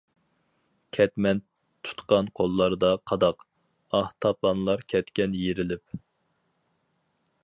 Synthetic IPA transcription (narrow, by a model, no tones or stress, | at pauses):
kʲʰɛt̪mɛn | t̪ʰu̥t̪qɑnqʰolˠːɑɾd̪ɑqʰɑd̪ɑq | ɑht̪ʰɑpɑnlˠɑɾkʲʰɛt̪kʲɛnjeɾɪlɪp